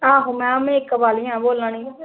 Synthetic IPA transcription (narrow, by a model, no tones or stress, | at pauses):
ãːɦõːmɛ̃ːamẽːɪkbaːlɪjãːboːlãːniː